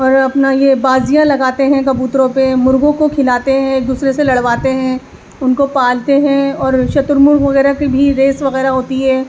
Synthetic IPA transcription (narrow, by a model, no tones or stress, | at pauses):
ɔːɾɐpnajebaːzijãlɐɡaːt̪eɦɛ̃kɐbuːt̪ɾõpemʊɾɡõkokʰɪlaːt̪eɦɛ̃eːk̚d̪uːsɾeselɐɽʋaːt̪eɦɛ̃ | ʊnkopaːlt̪eɦɛ̃ɔːɾʃɐt̪ʊɾmʊɾʋɐɣɛːɾakebʱiɾeːsʋɐɣɛːɾaɦoːt̪iɦɛː